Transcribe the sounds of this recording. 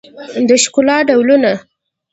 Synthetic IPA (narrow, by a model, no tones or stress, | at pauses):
d̪əʃkʊlɑɖawluna